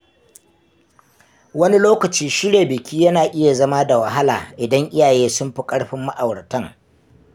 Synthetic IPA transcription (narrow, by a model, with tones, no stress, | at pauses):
wɐ˦ni˦loː˦kɐ˨t͡ʃiː˦ʃɪ˦ɽeː˨bɪ˨kʲʰiː˦jɐ˦naː˨ʔɪ˦ja˨zɐ˦ma˦da˨wɐ˨ɦa˦la̰ː˨ʔɪ˨dɐ˦ŋʔɪ˦jaː˨jeː˦sʊ˦mɸi˦kʼɐ˦ɽɸɪ˦mːa˦ʔa˨wɽɐ˨tɐ˦ŋ